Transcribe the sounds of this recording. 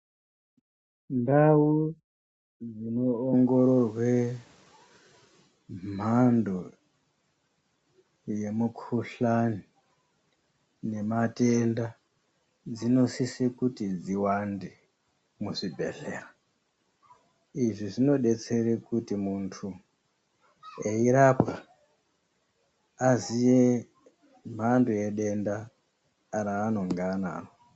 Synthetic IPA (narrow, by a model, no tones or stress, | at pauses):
ndawu | d͡zino̞ːŋɡo̞ɾo̞rwe | m̤ando̞ | je̞mukʰuɬani | ne̞matenda | d͡zino̞sisikutid͡ziwande | muʐibʱe̞̰ɬeːra | iʐiʐino̞ɗe̞t͡se̞ɾekutimuntʰu | eiɾapka | zije | m̤andujeɗe̞ndaː | ɾaːno̞ŋɡana̰ːno